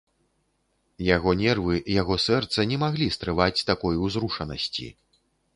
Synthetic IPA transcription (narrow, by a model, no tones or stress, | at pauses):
jaɣɔnʲɛrvɨjaɣɔsɛrt̪sɐnʲɛmaɣlʲist̪ɾɨvat͡sʲt̪akɔjwzɾuʂɐnɐ̰sʲt͡sʲḭ